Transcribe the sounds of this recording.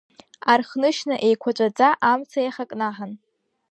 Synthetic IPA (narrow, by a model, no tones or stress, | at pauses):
arχnɨʃnɨʔe̞jkʷʰat͡ʃʷʼad͡zʼaʔamt͡sʰajχakʼnaħan